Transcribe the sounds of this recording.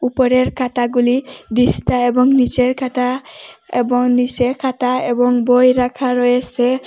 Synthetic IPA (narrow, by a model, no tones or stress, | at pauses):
upɔɾeɾkʰat̪aɡulid̪istaebɔŋnit͡ʃeɹkʰat̪aḛbɔŋnisekʰataebɔŋbɔjɾakʰaɾɔjese